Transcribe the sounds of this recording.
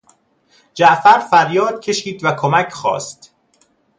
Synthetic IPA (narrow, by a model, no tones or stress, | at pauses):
d͡ʒæʔfæɾfæɾjɒːd̪̥̚cʰe̞ʃiːd̪vækʰomæcʰχɒ̰ːst̪